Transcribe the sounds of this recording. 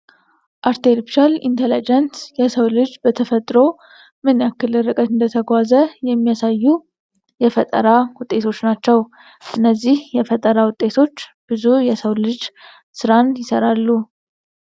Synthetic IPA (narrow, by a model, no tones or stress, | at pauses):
ʔaɾt̪ʰelpi̥ʃalḭnt̪ʰelid͡ʒɛnsjɛsəwlɨd͡ʒbət̪ʰəfət̪ʼɾo̞ | mɨnjakːɨlːɨɾɨkʼət̪ɨnd̪ət̪ʰəɡʷazəjɛmːijasajːu | jɛfət̪ʼə̰ɾawʊt̪ʼːe̞t̪ʰo̞t͡ʃːnat͡ʃːɛw | ʔɨnːəzːihjɛfət̪ʼəɾawʊt̪ʼe̞t̪ʰo̞t͡ʃːb̥ɨzujɛsəwlɨd͡ʒ | sɨɾanjɪsəɾalːu